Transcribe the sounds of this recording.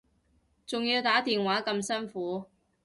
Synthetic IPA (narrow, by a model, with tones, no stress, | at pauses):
t͡sʊ˨ŋji˧wt̪aː˨˥t̪iː˨nwaː˨˥kɐ˧msɐ˥nfuː˨˥